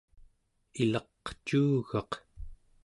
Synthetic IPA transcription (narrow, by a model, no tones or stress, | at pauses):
ilɑqt͡ʃuːɣɑq